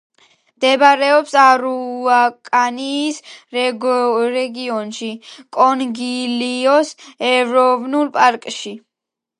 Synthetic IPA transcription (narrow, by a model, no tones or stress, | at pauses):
md̪ɛbaɾɛɔpsaɾuakʼaniːsɾɛɾɛɡiɔnʃikʼɔnɡiliɔsɛvɾɔvnulˠpʼaɾkʼʃi